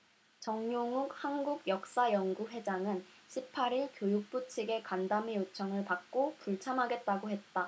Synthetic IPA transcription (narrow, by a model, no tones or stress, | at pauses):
t͡ɕʌŋɲoŋuk̚hanɡuɡjʌk̚s͈ajʌŋɡuɸwe̞d͡ʑaŋɯnɕʰip̚pʰaɾiɭkjojuk̚p͈ut͡ɕʰiɡe̞kandamejot͡ɕʰʌŋɯɭpak̚k͈opuɭt͡ɕʰamɦaɡe̞t̚t͈aɡohe̞t̚t͈a